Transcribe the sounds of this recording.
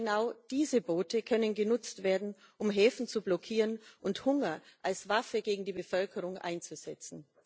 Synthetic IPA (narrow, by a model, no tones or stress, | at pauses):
naʊd̥iːzəboːtəkʰœnənɡənʊt͡stv̥eːɐdn̩ | ʔʊmɦɛːfn̩t͡sublɔkʰiːʁənʔʊnthʊŋɐʔalsv̥afəɡeːɡŋ̩diːbəfœlkʰəʁʊŋʔa̰ɪnt͡suz̥ɛt͡sn̩